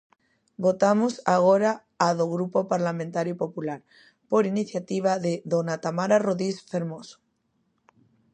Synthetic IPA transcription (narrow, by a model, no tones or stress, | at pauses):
bot̪amosaɣ̞oɾaː | ðoɣɾupopaɾlamẽnt̪aɾjupopulaɾ | poɾiniθjat̪iβ̞aðeðonat̪amaɾaroðisfeɾmoso̥